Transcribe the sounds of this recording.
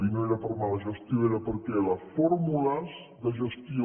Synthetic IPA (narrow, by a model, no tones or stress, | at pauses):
inoeɾəpəɾmaləʒəst̪jioeɾəpəɾkɛləfɔɾmulaz | d̪əʒəst̪io